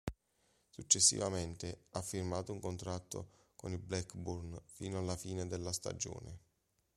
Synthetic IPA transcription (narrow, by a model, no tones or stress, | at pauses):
sut͡ʃːesːḭvament̪eafːirmaːt̪ouŋkont̪ɾat̪ːo̰ | koniblɛkburnfiːnoalːafiːned̪elːast̪a̰d͡ʒo̰ːnɪ̰